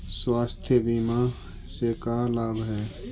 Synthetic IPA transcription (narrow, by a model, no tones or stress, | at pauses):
swaːst̪ʰjəbiːma | sekaːlaːbɦɛː